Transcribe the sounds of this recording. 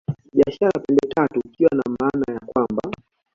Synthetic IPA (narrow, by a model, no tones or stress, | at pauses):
ɓiaʃaɾapɛndɛtʰatuːkiwanamaːnajakwamba